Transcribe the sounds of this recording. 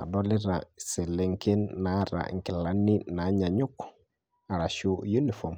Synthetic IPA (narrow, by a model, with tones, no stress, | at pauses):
a̰˨dɔ˦li˦ɾa˨se˨le˨ŋke˦nːa˦ɾa̰˨ŋ˨ki˨la˨nːi˦na˨ɲa˨ɲu˦k | a˨ɾa˨ʃu˦ju˦ni˨fo˨m